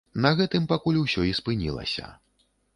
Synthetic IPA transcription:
nɐɣɛt̪ɨmpakulʲuwsʲɔispɨnʲḭlˠɐ̰sʲɐ̰

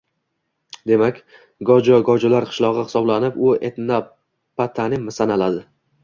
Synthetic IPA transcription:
d̪e̞makʲ | ɡɒd͡ʒɒɡɒd͡ʒʊlaɾqʰɨ̥ʃlˠɒʁɨhɪ̥sɒblanɪpʊet̪na | pat̪ʰanɪmɪsanalad̪ɪ

